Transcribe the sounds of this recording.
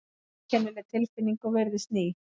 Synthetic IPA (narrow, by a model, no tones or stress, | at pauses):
cʰɛnːʏlɛt̪ʰɪlfɪnːiŋkɔvɛɾðɪst̪niː